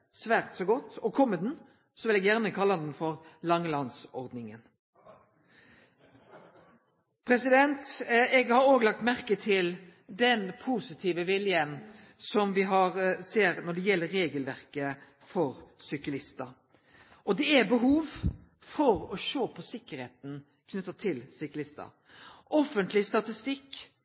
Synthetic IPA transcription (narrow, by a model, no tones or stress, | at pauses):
sʋæːʁt̪sɔɡɔt̪ːɔkʰɔmːəd̪n̩ | sɔʋɪlɛɡjæʁnəkʰɑlːɑnn̩fɔɾlɑŋːlɑnsɔʁd̪nɪŋən | pʰɾɛsɪd̪ɛnt̪ɛɡhɑɾoːɡəlɑk̚t̪mæʁkət̪ʰɪld̪ɛnpʰuːsɪt̪ʰiːʋəʋɪljən | sɔmʋɪɦɑɾseːɾnɔɖɛjɛlːəɾːeːɡəlʋæʁkə | fɔɾsʏklɪst̪ə | ʔɔd̪ɛæbəɦuːʋ | fɔɾɔʃoːpʰɔsɪkːəɾheːt̪n̩ | kʰnʉt̪ːət̪ʰɪlsʏklɪst̪ə̰ | ʔɔfənt̪lɪst̪ɑt̪ɪst̪ɪkː